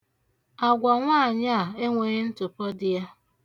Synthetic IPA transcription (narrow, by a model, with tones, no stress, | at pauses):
a˨ɡʷa˨ŋʷaː˦˨ɲa˦a˨e˦ŋʷe˨˦n̩˦tʊ˨pɔ˦dɪ˨ja˦